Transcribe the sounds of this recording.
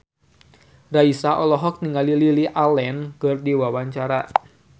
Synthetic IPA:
raisaʔɔlɔɦɔk̚niŋalililiʔalɛnkɨrdiwawaɲt͡ʃaɾa

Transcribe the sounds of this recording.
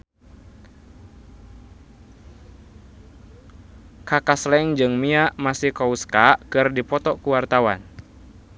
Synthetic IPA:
kakaslɛŋd͡ʒɨŋmiaʔmasihkɔuskakɨrdipɔt̪ɔkuwart̪awan

